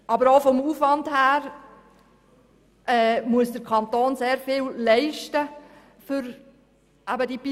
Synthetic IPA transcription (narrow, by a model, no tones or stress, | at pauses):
ʔɑbəɾoʊfɔmuːfvɑndhæːɾ | ɛmuəsdəɾkʰɑntoːnseːɾfɪːllɛɪʃtə | fʏɾ | ʔæbədipi